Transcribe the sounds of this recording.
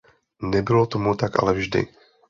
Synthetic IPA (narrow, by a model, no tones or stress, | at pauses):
nɛbɪlo̞t̪omut̪akʔa̰lɛvʒdɪ̰